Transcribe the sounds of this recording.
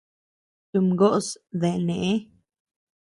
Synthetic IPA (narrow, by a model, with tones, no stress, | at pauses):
t̪u˨mɡo˦ʔsd̪e˨ne˨ʔe˦